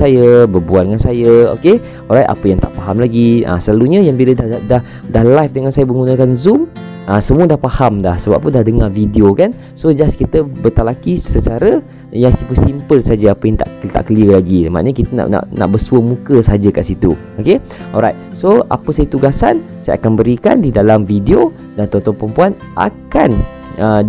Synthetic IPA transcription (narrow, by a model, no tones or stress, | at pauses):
sajəbərbuandəŋansajəo̰ke | ɔɾajt̪a̰pəjaŋt̪a̰ʔpaɦamlaɡia̰səlaluɲə̃jaŋbilədadah | dahlajfdəŋansajəməŋunəkanzum | ʔasəmuədahpahamdahsəba̰p̚p̪undahdəŋavidiokan | sod͡ʒaskit̪əbət̪alakisət͡ʃaɾə | jaŋsipəsimpəlsad͡ʒəapəjaŋt̪a̰ʔt̪a̰ʔkəliəlaɡiləma̰ʔɲəkit̪əna̰ʔna̰ʔna̰ʔbəsuəmũkəsəɦad͡ʒəkaʔsit̪u | oke | ɔ̰lɾajt̪̚soa̰pəsajət̪uɡasa̰n | saja̰a̰kanbəɾika̰ndidalamfidio | dant̪ɔnt̪ɔnpəɾəmpuan | ʔa̰ka̰n | ə